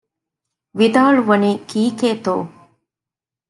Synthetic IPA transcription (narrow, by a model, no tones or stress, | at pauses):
ʋid̪aːɭuʋɐniːkiːkeːt̪oː